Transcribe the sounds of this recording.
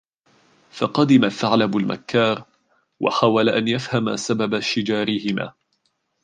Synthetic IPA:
fɑqɑd̪ɪmaθaʕlabalma̰kːɑːɾˤ | wɑ̰ħawalaʔanjafhama̰sababaʃɪd͡ʒaːɾɪhɪma̰ː

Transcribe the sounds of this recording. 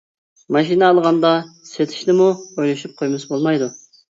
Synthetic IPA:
mɑʃinɛɑlˠʁɑnd̪ɑset̪ʰɪ̥ʃnɪmuojlˠɑʃup̚qʰojmɨsbolˠmɑjd̪u

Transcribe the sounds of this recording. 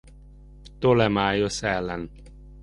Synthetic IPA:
pt̪olɛmaːjosɛlːɛn

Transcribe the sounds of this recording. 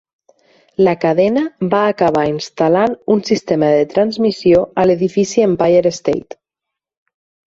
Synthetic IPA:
ləkaðɛnəbaːkaβainst̪alanunsist̪eməðet̪ɾanzmisioəleðifisiempajeɾest̪ḛjt̪

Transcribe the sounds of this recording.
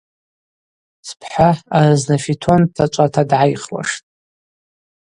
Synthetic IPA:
spʰħʷaaraznafitʰontʰat͡ʃʷʼatʰadʕajχwa̰ʂtʼ

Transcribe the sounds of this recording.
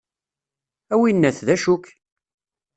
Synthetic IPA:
æwinːæθðæʃʊk

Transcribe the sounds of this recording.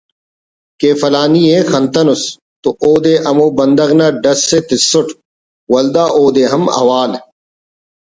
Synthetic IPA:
keːfɐlaːniːẽːxɐnt̪ɐnus | t̪uʔoːd̪eːʔɐmoːbɐnd̪ɐɣnaːɖɐsːet̪ɪsːʊʈʰ | wɐld̪aːʔoːd̪eːɦɐmɐ̰waːl

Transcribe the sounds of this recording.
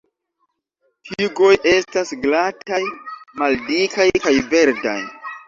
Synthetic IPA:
tʰiɡo̞jʔe̞stasɡlatʰajmaldikajkajve̞ɾda̰j

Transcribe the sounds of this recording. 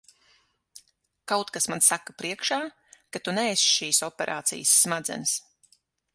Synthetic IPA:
kawt̪kasmansakːapɾiɛkʃaː | kat̪unɛːsʃiːsɔpʲɛɾʔa̰ːt̪sḭjəsːmad̪zɛ̰ns

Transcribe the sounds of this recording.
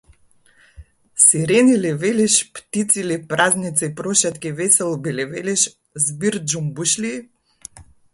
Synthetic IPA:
siɾɛnilɛvɛliʃpt̪it̪silɛpɾaznit̪sipɾɔʃat̪kʲivɛsɛlˠbilɛvɛliʃ | zbiɾd͡ʒumbuʃli

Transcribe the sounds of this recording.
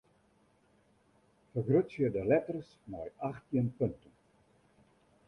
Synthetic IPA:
fərɡrøtsərdəlɛtərs | mɔjaxtiənpɵntən

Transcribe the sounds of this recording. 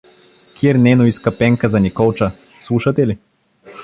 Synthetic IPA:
kʰʲiɾnɛnoiskɐpɛŋkazɐnikɔlˠt͡ʃɐ | slˠuʃɐt̪ɛli

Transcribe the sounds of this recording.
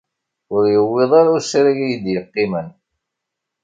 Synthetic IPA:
ʊɾjəwːeðˤaɾuɾsɾaʝijd̪jəqːɪmən

